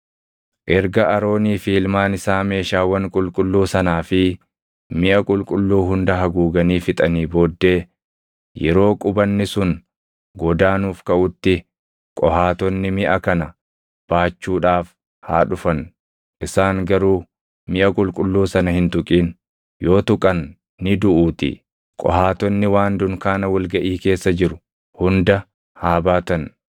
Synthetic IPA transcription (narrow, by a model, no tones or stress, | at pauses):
ʔɛɾɡɐʔɐɾo̞ːniːfiːlmaːnɪsaːme̞ːʃaːwɐŋkʼʊlkʼʊlːuːsɐnaːfɪ | mɪʔɐkʼʊlkʼʊlːuːɦʊnd̪ɐɦɐɡuːɡɐniːfɪt̪ʼɐniːbo̞ːd̪ːe̞ː | jɛ̰ɾo̞ːkʼʊbɐnːɪsʊn | ɡɔd̪aːnuːfkɐʔʊt̪ːɪ | kʼɔhaːt̪ɔnːɪmɪʔɐkɐnɐ | b̥aːt͡ʃːuːᶑaːf | haːᶑʊfɐn | ʔɪsaːŋɡɐɾuː | mɪʔɐkʼʊlkʼʊlːuːsɐnɐhɪnt̪ʊkʼiːn | joːt̪ʊkʼɐnː | ɪd̪ʊʔuːt̪ɪ̰ | kʼɔ̰haːt̪ɔnːɪwaːnd̪ʊŋkaːnɐwɐlɡɐʔiːke̞ːsːɐd͡ʒɪɾʊ̥ | hʊnd̪ɐ | haːbaːt̪ɐn